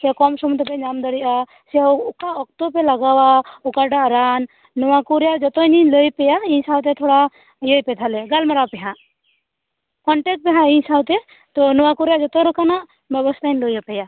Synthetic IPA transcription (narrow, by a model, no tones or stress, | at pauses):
sɛkɔmsɔmt̪ɔpeɲamd̪ɔɽiʔa | sɛukaɔk̚t̪ɔpelaɡawaukaɾɖaːɾanː | ɔwakuɾjad͡ʒɔt̪ɔniləjpejaĩsawt̪et̪ʰoɽa | jəjpɛt̪ʰaleɡalmaɾawpɛɦã | kɔɳʈek̚ʈ̚pɛɦãĩsawt̪e | t̪ɔnɔwakuɾjad͡ʒɔt̪ɔɾɔkana | bɔbɔst̪ʰanləjapeja